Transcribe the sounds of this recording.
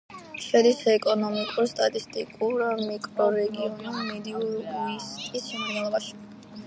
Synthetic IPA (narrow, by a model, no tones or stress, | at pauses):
ʃɛd̪isɛkʼɔnɔmikʼuɾst̪ʼat̪ʼist̪ʼikʼuɾamikʼɾɔɾɛɡiɔnumɛd̪iuɾisk̪ʼisʃɛmialˠɔbaʃi̥